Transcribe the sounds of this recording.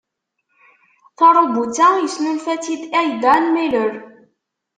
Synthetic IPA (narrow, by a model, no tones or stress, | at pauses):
θɑɾˤobut͡sːæjəsnunfæt͡sːid̪æjd̪ænmiləɾ